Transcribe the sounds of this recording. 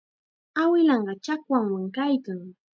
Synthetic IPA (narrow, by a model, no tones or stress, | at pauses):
awɪlɑɴɢɑt͡ʃakwaŋwaŋkajkaŋ